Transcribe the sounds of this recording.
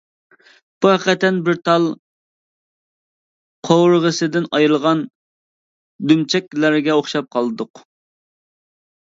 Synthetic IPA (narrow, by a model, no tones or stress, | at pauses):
b̥uɦæqːɛt̪ʰːɛnbɪɾt̪ʰɑlˠ | qʰowɾəʁəsɨd̪ɪnɑjɾlˠʁɑn | d̪ymt͡ʃʰɛkʲlæɾɡʲɛoχʃɑp̚qʰɑlˠɨd̪ʊq